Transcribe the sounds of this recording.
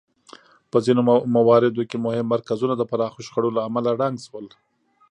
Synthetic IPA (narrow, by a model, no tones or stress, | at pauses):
pəzinomawɑɾɪd̪okemʊhɪmːaɾkazunad̪əpaɾɑxoʃxaɽolaːmalaɽaŋɡswəl